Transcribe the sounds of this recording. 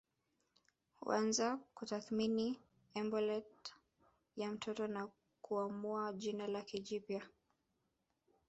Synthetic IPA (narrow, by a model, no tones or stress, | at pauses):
hṵanzakutaθmini | ɛmbɔlɛt | jam̩tʰɔtɔna | kuamuaʄinalakiʄipja